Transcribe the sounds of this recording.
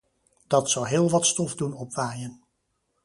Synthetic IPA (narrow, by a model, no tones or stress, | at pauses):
d̥ɑtsɑwɦɪːlˠʋɑtstɔfdunɔpʋaːjən